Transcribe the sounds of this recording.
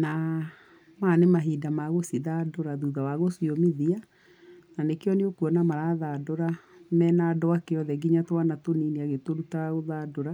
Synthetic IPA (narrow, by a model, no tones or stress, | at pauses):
na | manemaɦidamaɣosiðadoɾaðuðawaɣosiomiðia | nanekeɔneokuɔnamaɾaðadoɾamɛnadɔakeɔðɛɡiɲatwanatonineaɣetoɾutaɣoðadoɾa